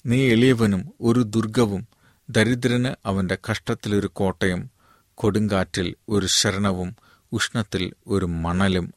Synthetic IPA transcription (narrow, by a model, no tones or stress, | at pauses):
niːelijɐʋɐnumo̞ɾud̪urɡɐʋum | d̪ɐɾid̪ɾɐnɨʔɐʋɐnde̞kɐʂʈɐt̪ːilo̞ɾuko̞ːʈːɐjum | ko̞ɽuŋɡaːtːilo̞ɾuɕɐɾɐɳɐʋum | uʂɳɐt̪ːilo̞ɾumɐɳɐlum